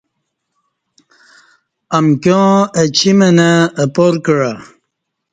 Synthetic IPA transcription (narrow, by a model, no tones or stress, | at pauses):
amkõət͡ɕʰimənaːpoɾkɻa